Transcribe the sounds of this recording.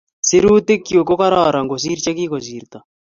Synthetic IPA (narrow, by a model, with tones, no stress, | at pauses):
si˦ɾu˦te˦kjwe˨ko˦ka˦ɾaɾa˨ŋɡo˨s̬i˦ɾit͡ʃa˦ki˦ko˨siː˨ɾt̪a˨